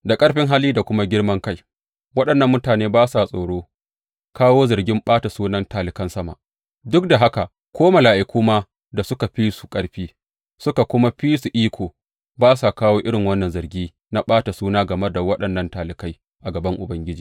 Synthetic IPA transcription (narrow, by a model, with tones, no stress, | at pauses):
da˨kʼɐ˦ɽɸɪ˦ŋɦa˦liː˦da˨kʷʊ˦ma˦ɡʲɪ˦ɽmɐ˦ŋka˦j | wɐ˦ɗɐ˨nːɐ˦mːʊ˦taː˨neː˦baː˦sa˨sʼoː˨ɽoː˦ | kaː˦woː˦zɐ˨rɡʲɪ˦mɓaː˦ta˨suː˦nɐ˦ntaː˨lɪ˨kɐ˦nsɐ˦ma̰˨ʔ | dʊ˦k̚da˨ɦa˦ka˨ʔ | kʷoː˦ma˨laː˨ʔɪ˨kʷuː˦maː˦ | da˨sʊ˦ka˨ɸiː˦su̥˨kʼɐ˦ɽɸiː˦ | sʊ˦ka˨kʷʊ˦ma˦ɸiː˦su˨ʔiː˦kʷʰoː˨ | baː˦sa˨kaː˦woː˦ʔɪ˦ɽɪ˨ŋwɐ˦nːɐ˨nzɐ˨rɡʲiː˦ | na˦ɓaː˦ta˨suː˦naː˦ɡɐ˨mɐ˦da˨wɐ˦ɗɐ˨nːɐ˦ntaː˨lɪ˨ka˦j | ʔa˨ɡɐ˨bɐ˦ŋʔʊ˨bɐ˦ŋɡʲɪ˦d͡ʒiː˨